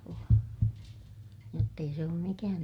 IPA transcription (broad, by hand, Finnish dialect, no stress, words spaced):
joː jotː ei se oːm mikæːn